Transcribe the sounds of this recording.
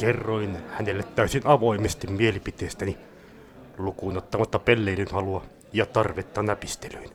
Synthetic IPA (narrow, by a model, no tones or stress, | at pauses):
kerːoinhænelːet̪tæˑysinɑʋoimest̪immielipit̪eːst̪æni | lukuinot̪ːɑmɑt̪ːɑpelːeilynhɑluɑ | jɑt̪ɑrʋet̪ːɑnæpist̪eløin